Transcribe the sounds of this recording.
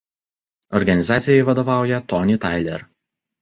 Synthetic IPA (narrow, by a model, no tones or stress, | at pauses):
ɔɾɡɐnʲɪzɑːt̪sʲɪjɛɪʋɐd̪oʋɑˑʊjɛt̪ɔnʲɪt̪ɑɪlʲɛ̰ɾ